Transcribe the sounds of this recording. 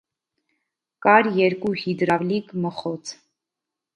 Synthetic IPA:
kɑɾjɛɾkuhid̪ɾɑvlikməχɔt͡sʰ

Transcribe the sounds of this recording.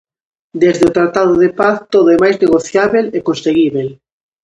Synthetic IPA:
d̪ezðeot̪ɾat̪aðʊðepaθt̪oðʊɛmajzneɣoθjaβelɛkõnseɣiβel

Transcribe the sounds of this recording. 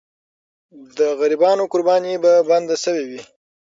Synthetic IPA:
d̪əɣaɾibɑnokʊɾbɑnibaband̪asəwewi

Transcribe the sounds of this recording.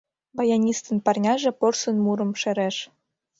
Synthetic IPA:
bɑjɑnʲist̪ɤ̆npɑrnʲɑʒĕporsə̆nmuɾɤ̆mʃĕɾeʃ

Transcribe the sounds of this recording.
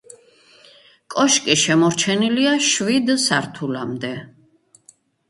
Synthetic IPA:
kʼɔʃkʼiʃɛmɔɾt͡ʃʰɛniliaʃvid̪saɾt̪ʰulamd̪ɛ

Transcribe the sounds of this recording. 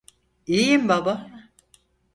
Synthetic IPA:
ijimbaba

